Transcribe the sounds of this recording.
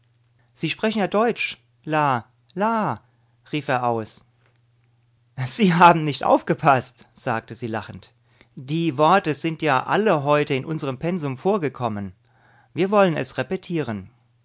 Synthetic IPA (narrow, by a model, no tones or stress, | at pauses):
z̥iːʃpʁ̥ɛçn̩jaːdɔʏt͡ʃ | laː | laː | ʁiːfeːɐʔaʊs | z̥iːɦaːbm̩nɪçtʔa̰ʊfɡ̥əpʰastz̥aːk̚təziːlaχn̩t | d̥iːvɔɐtəzɪntjaːʔa̰ləɦɔʏtəɪnʔʊnzəʁəmpʰɛnzʊmfoːɐɡəkʰɔmən | viːɐvɔlənɛ̰sʁepɛtʰiːʁ̞ən